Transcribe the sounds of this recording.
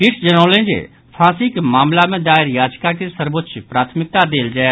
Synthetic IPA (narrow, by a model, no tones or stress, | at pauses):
kɪʈʰd͡ʒənoːlẽd͡ʒḛ | pʰãːsikmaːmlamẽd̪aːɪɾjaːd͡ʒkakesəɾbot̪ːʃʰpɾaːt̪ʰmɪk̚t̪ad̪eːld͡ʒaː